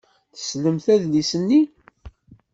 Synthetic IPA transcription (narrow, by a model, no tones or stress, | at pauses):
θə̥sləmθæðlisənːi